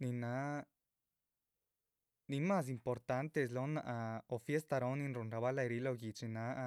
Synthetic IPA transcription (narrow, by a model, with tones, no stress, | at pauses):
ni˧na˧˦ | ni˧ma˦s̬impo˨ɾt̪a˧˦nt̪e˧slo˧˦na˧ʔa˧o˨fje˦st̪a˧ɾo˧˦nĩ˧nɾu˨nɾa˨βa˦la˧jɾi˧lo˧ɡi˨t͡ʃi˧na˧a˧